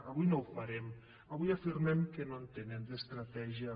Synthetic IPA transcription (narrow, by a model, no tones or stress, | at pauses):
aβujnowfaɾɛm | aβujafirmɛmkenont̪enemd̪est̪ɾat̪ɛʒia